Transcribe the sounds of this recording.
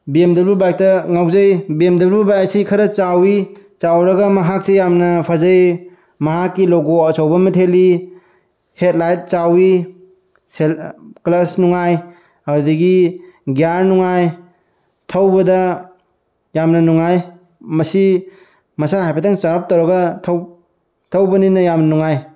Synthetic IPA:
biemdɐbubajk̚tɐŋawzajbiemdɐblbubajk̚sikʰɐɾɐt͡ʃawit͡ʃawɾɐɡɐmɐɦak̚sejamnɐpʰazaj | mɐɦakːilɔɡosawbɐmɐtʰeli | het̚lajt̚t͡ʃawi | selklɐsnuŋaj | awdiɡiɡjaɾnuŋaj | tʰɐwbɐdɐ | jamnɐnuŋaj | mɐsi | mɐsaɦajpʰatʰaŋt͡ʃaɾap̚tɐwɾɐɡɐtʰ | tʰɐwbɐninɐjamnɐnuŋaj

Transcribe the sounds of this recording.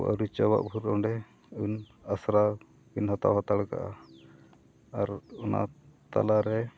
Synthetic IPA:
ʔa̰ɾut͡ʃawa̰ʔbʱuɾɔɳɖɛ | un | asɾa | binɦɔt̪a̰wɦɔt̪aɽka̰ʔa | aɾɔna̰t̪a̰laɾɛ

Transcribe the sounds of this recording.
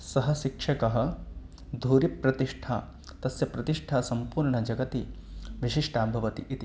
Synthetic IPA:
sɐɦɐʃikʂɐkɐɦɐ̆ | d̪ʱuːɾipɾɐt̪iʂʈʰaː | t̪ɐsjɐpɾɐt̪iʂʈʰaːsɐmpuːɾɳɐd͡ʒɐɡɐt̪iʋiʃiʂʈʰaːbʱɐʋɐt̪iʔit̪i

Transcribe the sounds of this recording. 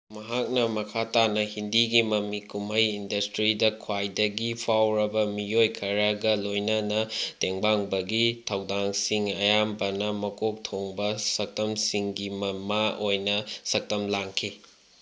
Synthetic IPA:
mɐɦak̚nɐmɐkʰatanɐhindiɡimɐmikumɐjindɐstɾidɐkʰwajdɐɡipʰawɾɐbɐmijojkʰɐɾaɡɐlojnɐnɐteŋbaŋbɐɡitʰɐwdaŋsiŋɐjambɐnɐmɐkok̚tʰoŋbɐsɐk̚tɐmsiŋɡimɐmaojnɐsɐk̚tɐmlaŋkʰi

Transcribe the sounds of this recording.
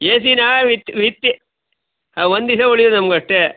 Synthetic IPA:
jeːsinaːʋit̪ʋit̪ːi | ʋond̪isɐoɭid̪unɐmɐɡɐʂʈe

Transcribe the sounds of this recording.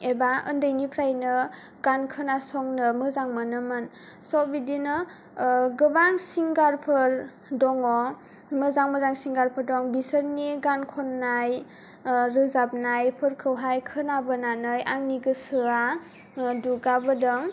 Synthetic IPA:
ebaɯndɯjnipʰɾajnɯ | ɡ̥ankʰɯnasɔŋnɯmɯzaŋmɯnɯmɯn | sɔbidinɯ | ɡɯbaŋsiŋɡaɾpʰɯɾ | dɔŋɔ | mɯzaŋmɯzaŋsiŋɡaɾpʰɯɾdɔŋbisəɾniɡankʰɔnːaj | ɾɯzap̚najpʰɯɾkʰɯwɦajkʰɯnabɯnanɯjʔaŋniɡɯsɯɾa | duɡabɯdɔŋ

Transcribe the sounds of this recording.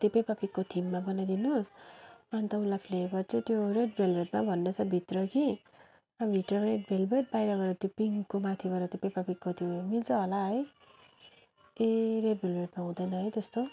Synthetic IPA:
t̪epajpapikːot̪ʰimːabʌnajd̪inusʌnit̪ʌũlapʰlebʌrt͡sʰʌt̪joɾeɖ̚bʱelbeʈ̚mabʱʌnːʌt͡sʰʌbʱit̪rʌki | ʌbʱiʈrʌɾeʈ̚bʱelbʱeʈ̚bajɾabʌɾʌt̪jopiŋkːomat̪ʰibʌɾʌt̪epajpapikːot̪ʰimilt͡sʌɦolaɦʌj | eɾeɖ̚bʱelbʱeʈmaɦũd̪ʌjnʌɦʌjt̪ʌst̪o

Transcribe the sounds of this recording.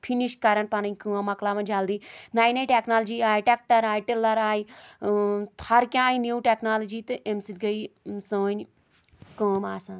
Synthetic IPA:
pʰiniʃkɐɾɐnpɐnɐnʲkɨɐmɐklaːmɐnd͡ʒaːld̪iːnaːjnɐjʈeknaːld͡ʒiːaːiʈek̚ʈɐɾaːjiʈelɐɾaːi | t̪ʰɐɾkʲjãːiniːʈeːknaːlɐd͡ʒiːt̪ɨʔemsid̪̚ɡɐisəːɐnʲ | kəmaːsãːn

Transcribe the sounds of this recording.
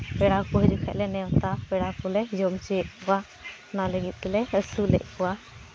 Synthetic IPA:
bɛɽakɔɦid͡ʒukʰɛʔ̚lɛnɛwt̪abɛɽakɔlɛd͡ʒɔmt͡ʃiʔkɔwa | naləɡit̪̚ˀkɛlɛəsulɛ̰ʔ̚kɔwa

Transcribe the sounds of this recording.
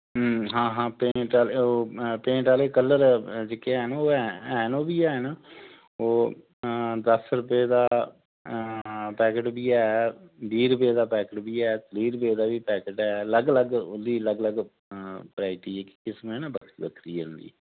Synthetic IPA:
ɦãːɦãːpẽːʈaːleoːpẽːʈaːleːkəlːəɾd͡ʒekeɛːnooɛɛːnoːbiːɛːnː | oː | d̪əsɾʊpeːd̪aː | pɛːkəʈbiːɛːbiːɾʊpeːd̪aːpɛːkəʈbiːɛːliːɾpeːd̪aːʋiːpɛːkəʈɛːləɡləɡd̪iːləɡləɡ | pəɾaːɪʈiːɛːkɪ̥kɪsmẽːnaːbəkʰibəkʰɾiːʊ̃nd̪ḭː

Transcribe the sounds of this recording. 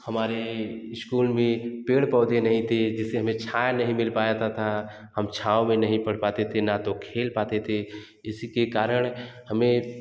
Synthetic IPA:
həmaːɾeɪskuːlmẽpeːɽpɔːd̪enəɦĩt̪ʰed͡ʒɪseɦəmẽt͡ʃʰaːjnəɦĩmɪlpaːjat̪at̪ʰa | həmt͡ʃʰaːõmẽnəɦĩpəɽ̤paːt̪et̪ʰenat̪okʰeːlpaːt̪et̪ʰe | ɪskekaːɾəɽ̃həmẽ

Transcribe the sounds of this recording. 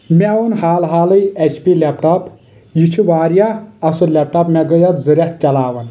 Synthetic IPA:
meonhaːlɦaːlɨjet͡ʃʰpilepʈɐp | jit͡ʃʰuʋaːɾjaɐsulep̚ʈɐpmɛɡəjɐt̪zɨɾet̪̚t͡ʃɐlaːʋɐn

